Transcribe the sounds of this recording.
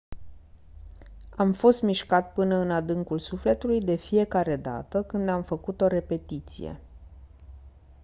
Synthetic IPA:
amfo̞st̪miʃkat̪̚pɨnəɨnad̪ɨŋkulsufle̞t̪ulujd̪e̞fije̞kaɾe̞d̪a̰t̪əkɨnd̪amfəkut̪o̞ɾe̞pe̞t̪it̪sḭje̞̰

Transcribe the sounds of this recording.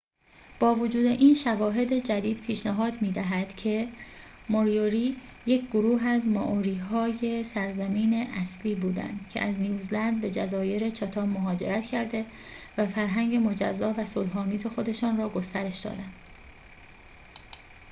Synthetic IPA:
b̥ɒːvod͡ʒuːd̪e̞ʔiːnʃævɒːɦe̞d̪e̞d͡ʒæd̪iːd̪̥pʰiːʃnæɦɒːd̪miːd̪æɦæd̪̥cʰe̞ | moɾijoɾiː | je̞cʰɡoɾuːɦæzmɒ̰ʔoɾiːɦɒːje̞sæɾzæmiːneʔæsliːbuːd̪æ̰nd̪̥cʰe̞̰ʔæznijuːzlænd̪̚be̞d͡ʒæzɒːje̞ɾe̞t͡ʃʰɒt̪ʰɒːbːoɦɒːd͡ʒe̞̰ɾæt̪ʰcʰæɾd̪e̞ | væfæɾɦæŋɟe̞mo̞d͡ʒæ̰zːɒːvæsolɦɒːmiːze̞xo̞d̪e̞ʃɒːnrɒːɡost̪æɾe̞ʃd̪ɒ̰ːd̪ænd̪̥

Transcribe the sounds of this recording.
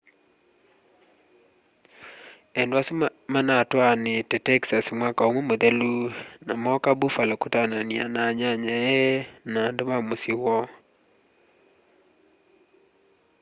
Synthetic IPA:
ɛndwasumanatwanɪtɛtɛksasmwakaomomod̪elunamɔkabufalɔkʊtanania̰naɲaɲaɛnandʊmamosɪwɔ

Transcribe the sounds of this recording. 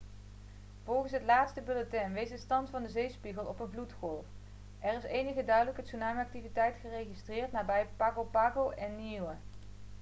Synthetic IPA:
v̥ɔlˠχənsɦətlaːtstəbylotɛmʋejsdəstɑntfɑndəzejspiɣəlˠɔpənvlutχɔlˠf | ɛrɪsejnəχədœɥdələkɦətsunaːməɑk̚tivitɛjtχərejχistrɪːɹtnaːbɛjpaːkowpaːkowʔɛnːiwə

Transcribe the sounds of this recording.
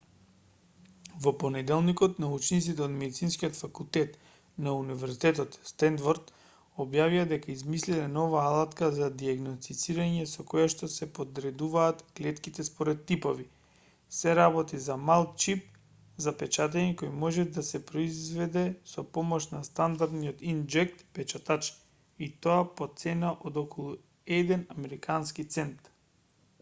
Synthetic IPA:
vɔponɛd̪ɛlˠnikɔt̪naut͡ʃnit̪sit̪ɛod̪mɛd̪it̪sinskiot̪fakulˠt̪ɛt̪ | naunivɛɾsit̪ɛt̪ɔt̪st̪ɛnd̪vɔɾd̪ | ɔbjavijad̪ɛkaizmislilɛnɔvaːlˠat̪kazad̪iaɡnost̪it̪siɾaɲɛsɔkɔjaʃt̪ɔsɛpod̪ɾɛd̪uvaːt̪klɛt̪kit̪ɛspɔɾɛt̪ːipovi | sɛɾabɔt̪izamalˠt͡ʃip̚ | zapɛt͡ʃat̪̬aɲɛkojmɔʒɛd̪asɛpɾoizvɛd̪ɛsɔpɔmɔʃnast̪and̪aɾd̪niot̪ind͡ʒɛk̚t̪pɛt͡ʃat̪at͡ʃ | it̪oapot̪sɛnaʔod̪okɔlˠu | ɛd̪ɛnamɛɾikʰanskit̪sɛnt̪

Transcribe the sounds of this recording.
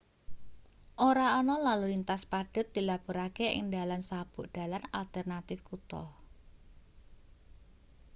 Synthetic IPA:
ʔoɾaɔnɔlalulint̪aspaɖ̥ə̤t̪̚d̪̥ilapuɾakeʔɪ̰ŋdalansab̥ʊ̤ʔd̥a̤lana̰lt̪ɛrnat̪ɪfkut̪ɔ̰h

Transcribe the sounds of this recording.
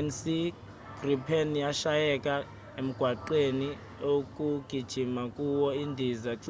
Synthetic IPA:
nsi | ɡ̥ripʰenjaʃajɛkʼa | em̩ɡ̥ʱwaǃeni | okʼuɡ̥ʱid̥ʒ̥ʱimakʼuwɔindʱizaǁ

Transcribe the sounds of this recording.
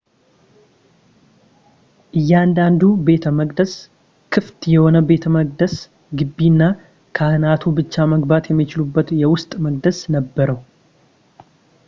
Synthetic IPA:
ʔɨjːand̪and̪ube̞t̪ʰəməɡd̪əs | kʰɨft̪jɛho̞nəbe̞t̪ʰəməɡ̚d̪əs | ɡɨbːinːa | kʰahɨnat̪ʰubɨt͡ʃːaməɡbat̪jɛmːit͡ʃɪlubːət̪jɛwʊst̪ʼməɡ̚d̪əsnəbːəɾəw

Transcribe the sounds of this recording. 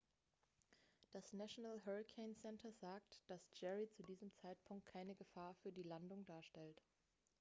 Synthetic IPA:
d̥asnaʃonalɦɛʁikʰeɪnsɛntʰɐzaːktd̥asd͡ʒɛʁit͡sudiːzəmt͡saɪtpʰʊŋkt̚kʰaɪnəɡəfaːɐfyːɐdiːlandʊŋdaːɐʃtɛlt

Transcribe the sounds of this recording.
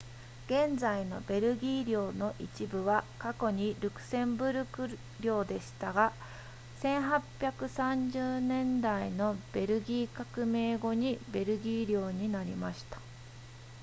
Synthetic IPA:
ɡ̥ẽ̞nd͡zaino̞̰be̞ɾɯ̟ɡʲiːɾʲo̞ːno̞ʔit͡ɕibɯ̟βakako̞ɲ̟iɾɯ̟kɯ̟̥sẽ̞mbɯ̟ɾɯ̟kɯ̟ | ɾʲo̞ːd̪e̞ɕi̥t̪aɡa | sẽ̞ɰ̃ɦapʲjakɯ̟sãɲd͡ʑɨːnẽ̞nd̪aino̞b̥e̞ɾɯ̟ɡʲiːkakɯ̟me̞ːɡo̞ɲ̟ibe̞ɾɯ̟ɡʲiːɾʲo̞ːɲ̟inaɾʲimaɕi̥t̪ḁ

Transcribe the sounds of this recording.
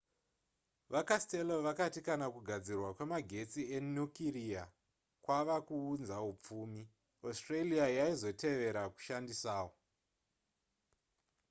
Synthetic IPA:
ʋakaste̞lo̞ʋakatikanakuɡʱad͡zirwakwe̞maɡʱe̞t͡sie̞njukiria | kwaʋakuːnzaup͡fuːmi | ostreliajaizo̞tʰe̞ʋe̞ɾaku̥ʃandisaːwo

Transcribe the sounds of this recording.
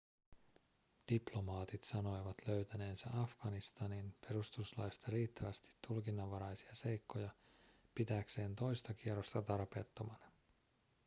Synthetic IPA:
d̥iplo̞mɑːt̪it̪sɑno̞jʋɑt̪løɥt̪æne̞ːnsæ̰ʔɑfɡ̥ɑnist̪ɑninpe̞ɾust̪uslɑ̰jst̪ɑɾiːt̪ːæʋæst̪i̥t̪ːulkinːɑʋːɑɾɑjsi̥ɑse̞jkːo̞jɑpit̪ækse̞ːnt̪o̞jst̪ɑk̟ierost̪ɑt̪ɑrpe̞ːt̪ːo̞mɑnɑ

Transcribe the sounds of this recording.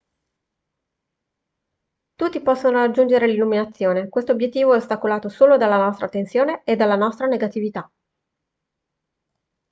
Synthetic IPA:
t̪ut̪ːipɔsːonoɾad͡ʒːund͡ʒeɾelilːuminat̪sːjoːnekwest̪objet̪ːiːvoɛost̪akolaːt̪osoːlod̪alːanɔst̪ɾat̪ensjoːneed̪alːanɔst̪ɾaneɡat̪ivit̪a

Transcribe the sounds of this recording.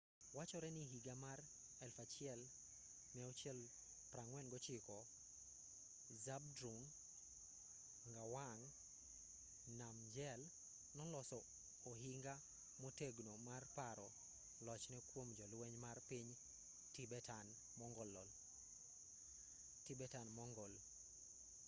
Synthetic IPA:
wat͡ʃɔɾɛniɦiɡamar | ɛlfat͡ʃɪɛl | nɛot͡ʃɛl | pɾaŋwɛnɡɔt͡ʃɪkɔ | zab̚dɾuŋ | ŋɡawaŋ | namd͡ʒɛl | nɔlɔsɔː | ɦiŋɡa | mɔteɡnomarpaɾɔ | lɔt͡ʃnɛkwomd͡ʒɔlwɛɲmarpiɲ | tibɛtan | mɔŋɡɔlːɔl | tibɛtanmɔŋɡɔl

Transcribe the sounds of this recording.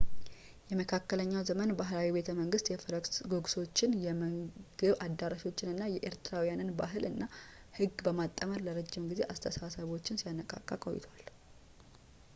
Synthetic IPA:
jɛməkʰakːələɲːawzəmənbaɦlawibe̞t̪ʰəməŋɡɨst̪jɛfɾəksɡo̞ɡso̞t͡ʃːɪnjɛməɡ̥ɨβad̪ːaɾaʃiwo̞t͡ʃːɪnɨnːajɛʔeɾt̪ʰɾawijanɨnbaɦɨlɨnːa | hɨɡbəmat̪ʼːəməɾləɾəd͡ʒːɪmɡize̞ʔast̪ʰəsasəβo̞t͡ʃːɪnsijanːəkʼa̰kʼːakʼo̞̰jɪ̰t̪ʰal

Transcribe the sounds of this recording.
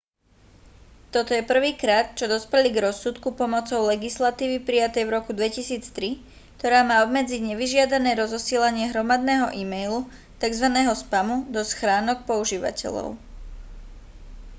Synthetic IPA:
t̪ɔt̪ɔjɛpr̩ʋiːkɾaːt̪̚t͡ʃɔd̪ɔspɛliɡɾɔsːut̪kupɔmɔt͡sɔʊlɛɡislat̪iːʋipɾijat̪ɛjvɾɔkud̪ʋɛcisiːt͡st̪ɾi | kt̪ɔɾaːmaːɔbmɛd͡ziɟɲɛʋiʒɪad̪anɛːɾɔzɔsiːlaɲɪɛɦɾɔmad̪nɛːɦɔʔimɛjlu | t̪aɡzʋanɛːɦɔspamud̪ɔsxɾaːnɔk̚pɔuʒiːʋa̰cɛ̰lɔ̰ʊ

